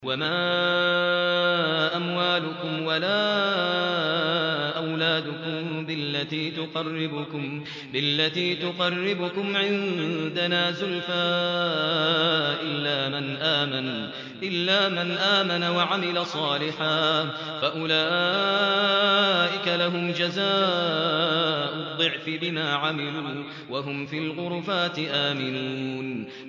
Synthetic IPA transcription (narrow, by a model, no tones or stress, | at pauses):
wamaː | ʔamwaːlʊkʊmwalaː | ʔawlaːd̪ʊkʊmbɪlːat̪iːt̪ʊqɑrːɪbʊkʊm | bɪlːat̪iːt̪ʊqɑrːɪbʊkʊmʕɪnd̪anaːzʊlfaː | ʔɪlːaːmanʔaːman | ʔɪlːaːmanʔaːmanawaʕamɪlasˤɑːlɪħaː | faʔʊlaː | ʔɪkalaɦʊmd͡ʒazaː | ʔʊd̪ˤːɨʕfɪbɪmaːʕamɪluː | waɦʊmfiːlɣʊɾfaːt̪ɪʔaːmɪnuːn